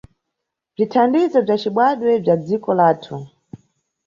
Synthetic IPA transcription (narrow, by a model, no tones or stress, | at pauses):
b͡ʐitʰandizɔb͡ʐat͡ʃiɓwaɗwɛb͡ʐad͡zikɔlaːtʰu